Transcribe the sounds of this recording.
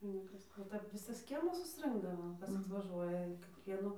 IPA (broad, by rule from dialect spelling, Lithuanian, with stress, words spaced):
nʊ ˈkɐs oː ˈtɐp ˈʋʲɪsɐs ˈkʲiɛmɐs sʊsˈrɨŋɡdɐʋoː ˈkɐs ɐtʋɐˈʒuɔjɛ kʲeːˈkʋʲiɛnʊ